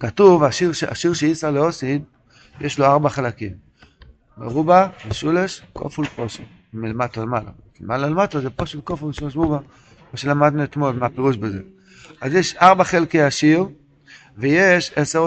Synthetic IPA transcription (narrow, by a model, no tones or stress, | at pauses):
katuvaʃiʁʃea̰ʃiʁʃeisaleosin | jeʃloaʁbaχalakim | beʁubameʃuleʃko̰fulpoʃ | milemat̪olemala̰ | lemalalematozepoʃelkofumeʃuleʃʁuba | maʃelamad̪nuet̪mo̞lmeapeʁuʃbezḛ | azjeʃaʁbaχelkejaʃiʁ | vejeʃeseʁ